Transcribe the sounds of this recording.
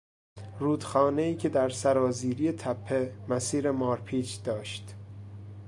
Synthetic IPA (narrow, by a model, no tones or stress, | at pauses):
ɾuːd̪̥xɒːne̞iːcʰe̞d̪æɾsæɾɒːziːɾije̞t̪ʰæpʰːe̞mæsiːɾe̞mɒːɾpʰiːt͡ʃd̪ɒːʃt̪